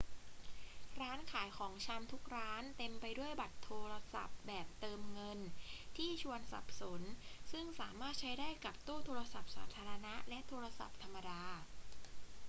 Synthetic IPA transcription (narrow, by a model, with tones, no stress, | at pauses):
ɾaː˦˥nkʰaː˩˦jkʰɔː˩˦ŋt͡ɕʰa˧mt̪ʰu˦˥k̚ɾaː˦˥nt̪e˧mpa˧jdu˥˩əjba˨˩t̪ʰːoː˧ɾa˧sa̰˨˩p̚bɛː˨˩p̚t̪ɤː˧mŋɤ˧nt̪ʰiː˥˩t͡ɕʰu˧ənsa̰˨˩p̚so˨˩˦nsɯ˥˩ŋsaː˩˦maː˥˩t̪̚t͡ɕʰa˦˥jdaː˥˩jka˨˩p̚t̪uː˥˩t̪ʰoː˧ɾa˧sa˨˩p̚sa̰ː˩˦t̪ʰaː˧ɾa˧na˦˥lɛ˦˥ʔt̪ʰoː˧ɾa˧sa̰˨˩p̚t̪ʰa˧mːa˧daː˧